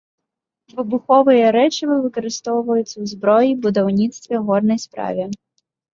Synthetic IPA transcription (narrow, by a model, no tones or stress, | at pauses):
vɨbuxɔvɨjɐɾɛt͡ʃɐvɨvɨkɐɾɨst̪ɔwvɐjut̪sɐwzbɾɔjibud̪awnʲit̪st̪vʲɛɣɔd̪nɐjspɾa̰vʲɛ